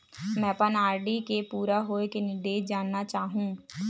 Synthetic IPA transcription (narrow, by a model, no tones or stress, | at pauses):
mɛ̃ːpənaːɾɖikepuːɾaɦoːekenɪd̪eːd͡ʒaːnnːat͡ʃaːɦũː